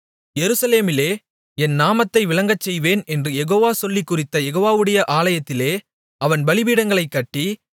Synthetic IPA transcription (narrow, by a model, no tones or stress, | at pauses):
jɛɾɯsɐleːmɪleː | ɛnnaːmɐt̪ːɐɪʋɪɭɐŋɡɐt͡ʃːɛjʋeːnɛndrɯjɛɣoːʋaːsɔlːikːʊrɪt̪ːɐjɛɣoːʋaːʋɯɽɐjɐʔaːlɐjɐt̪ːɪleː | ɐʋɐnbɐɭɪʋiːɽɐŋɡɐɭɐɪkːɐʈːi